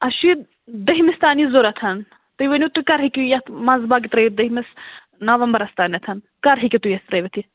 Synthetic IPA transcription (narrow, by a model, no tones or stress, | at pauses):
ɐʃi | d̪ɐɦimist̪aːnizoɾɐt̪ʰɐn | t̪ɨʋɐnit̪ukɐɾɦikʲijɐt̪ʰmɐnzbaːɡit̪ɾɐid̪ɐɦimis | nɐʋɐmbɐɾɐst̪aːnɐt̪ʰɐn | kɐɾɦikʲit̪ujɐst̪ɾɐʋɐt̪ʰi